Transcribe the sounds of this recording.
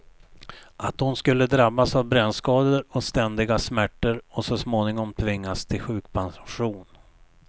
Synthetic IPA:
ʔat̪hʊnskɵlːəd̪ɾabːasavbɾɛnːskɑːd̪əɾɔst̪ɛnd̪ɪɡasmæʈːəɾɔsɔsmoːnɪŋɔmt̪ʰvɪŋːast̪ʰɪlɧʉ̟ːkpʰansɧuːn

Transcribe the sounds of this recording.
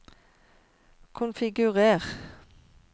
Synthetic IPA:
kʰʊnfɪɡʉʁeːʁ

